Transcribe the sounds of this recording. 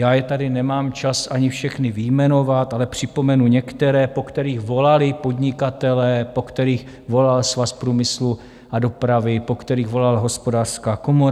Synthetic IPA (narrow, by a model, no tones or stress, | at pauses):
jaːjɛt̪adɪnɛmaːmt͡ʃasʔaɲɪfʃɛxnɪvɪjmɛno̞vat̪ʔalɛpr̝̥ɪpo̞mɛnuɲɛkt̪ɛɾɛːpo̞kt̪ɛɾiːɣvo̞lalɪpo̞dɲɪkat̪ɛlɛːpo̞kt̪ɛɾiːx | vo̞lalsvaspɾuːmɪslu | ʔado̞pɾavɪpo̞kt̪ɛɾiːɣvo̞lalɦo̞spo̞daːr̥skaːko̞moɾ